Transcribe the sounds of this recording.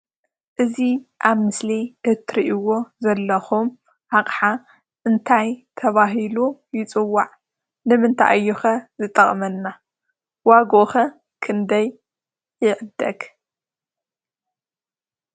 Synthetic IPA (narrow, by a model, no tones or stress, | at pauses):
ʔɨziʔaβmɨsliʔɨt̪ʰɾiʔiwo̞zɐlːɐxum | ʕaqʼħa | ʔɨnt̪ʰajt̪ʰɐβaɦilujɪt͡sʼɨwːaʕ | nɨmɨnt̪ʰa̰ʔɨjːuxɐzɨt̪ʼɐχʼmɐnːa | waɡoʔxɐ | kʰɨnd̪ɐjː | ɪʕd̪ɐɡ